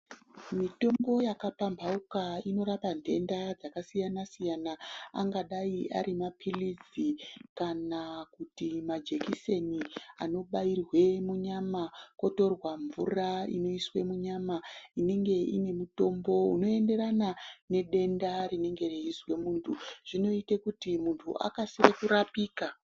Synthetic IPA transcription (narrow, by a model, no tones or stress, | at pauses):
mito̞mbo̞jakapambʱaukaino̞ɾapandʱe̞ndad͡zakasijanasijanaa̰ŋɡaɗaiʔa̰ɾimapʰilid͡zikanakutimad͡ʒe̞kise̞nia̰no̞ɓairwe̞muɲamako̞to̞rwaɱvuraḭno̞iswe̞muɲamaine̞ŋɡe̞ine̞muto̞mbo̞ṵno̞e̞nde̞ɾanane̞ɗe̞ndarine̞ŋɡe̞reizwe̞muːntʰuʐ̥ino̞itekutimuntʰṵʔa̰kasiɾekuɾapiːka